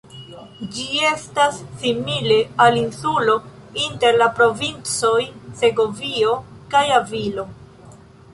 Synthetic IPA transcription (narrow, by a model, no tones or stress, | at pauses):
d͡ʒie̞stasːimile̞alinsulo̞ | inte̞ɾlapɾo̞vint͡so̞jze̞ɡo̞vio̞kajavilo̞